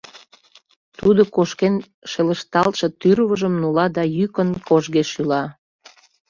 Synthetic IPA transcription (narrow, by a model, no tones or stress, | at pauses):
t̪ud̪okoʃken | ʃeləʃt̪ɑlʃet̪yɾβəʒəmnulɑd̪ɑjykənkʰoʒɣeʃylɑ